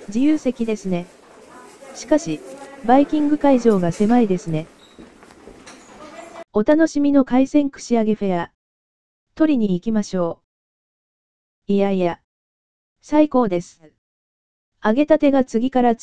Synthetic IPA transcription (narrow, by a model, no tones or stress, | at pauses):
d͡ʑijɯːse̞kʲid̪e̞sɨne̞ | ɕi̥kaɕibaikʲĩŋɡɯ̟kaiʑo̞ːɡase̞maid̪e̞sɨne̞ | o̞t̪ano̞ɕimʲino̞kaisẽ̞ŋkɯ̟̥ɕiaɡe̞ɸe̞ja | t̪o̞ɾʲiɲ̟iːkʲimaɕo̞ː | ijaija | saiko̞ːd̪e̞sɨ̥ | aɡe̞t̪at̪e̞ɡat͡sɨɡʲikaɾa